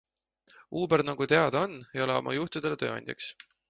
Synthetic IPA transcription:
uːbeɾnɑɡ̥ut̪e̞ɑd̪o̞nejoleo̰mʔɑ̰juht̪id̪̥e̞let̪ø̞ːɑ̰nʲd̪ʲjɑ̰ks

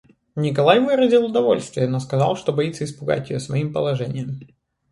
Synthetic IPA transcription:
nʲɪk̬ɐlˠajvɨɾəzʲɪlˠʊd̪ɐvo̞lʲst̪vʲɪjənoskɐzɑlˠʂt̪obɐit̪səɪspʊɡa̰tʲɪjosvɐimpəlˠɐʐɛnʲɪjəm

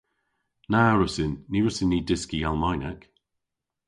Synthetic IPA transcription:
naɹʊsɪnːiːɹʊsɪnːiːdɪskialˠmajnak

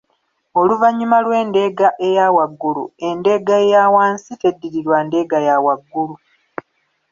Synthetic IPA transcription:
o̞luvaɲːumalwe̞ːnde̞ɡaʔe̞jawaɡːulṵe̞nde̞ɡaejawaːnsite̞dːiɾiɾwande̞ɡajawaɡːulu

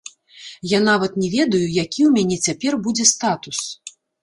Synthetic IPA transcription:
jan̪avɐt̪nʲɛvʲɛd̪ɐjujakʲiwmʲanʲɛt͡sʲapʲɛrbud͡zʲɛst̪at̪us

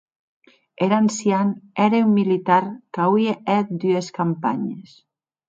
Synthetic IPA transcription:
eɾansjanɛɾeumːilit̪aɾkawieɛt̪̚d̪yeskampa̰ɲes

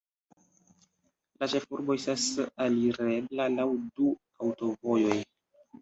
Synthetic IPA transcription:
lat͡ʃe̞fuɾboestasaliɾe̞blalawdu | awto̞vo̞jo̞j

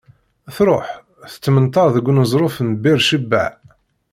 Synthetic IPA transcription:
θɾˤoħ | θə̥t͡sːmənt̪ˤːɑɾˤðəɡʷːnəzˤɾˤofnbɪɾʃəbːa̰ʕ

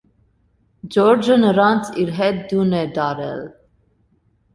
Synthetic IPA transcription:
d͡ʒɔɾd͡ʒənəɾɑnt͡sʰiɾɦɛt̪̚d̪unɛd̪ɑɾɛ̰l

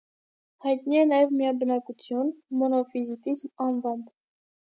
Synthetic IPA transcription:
hɑjt̪niɛnɑjɛvmijɑbənɑkut͡sʰjunmɔnɔfizit̪izmɑnvɑmb

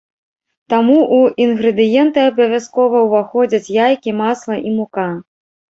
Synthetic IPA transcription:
t̪amuʔuinɣɾɨd̪ɨjɛnt̪ɨɐbɐvʲaskɔvɐwvaxɔd͡zʲɐt͡sʲjajkʲimaslˠɐʔimuka

